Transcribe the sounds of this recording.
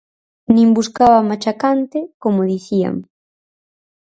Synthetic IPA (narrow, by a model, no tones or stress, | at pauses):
nĩŋbuskaβamat͡ʃakant̪ekomoðiθia̰m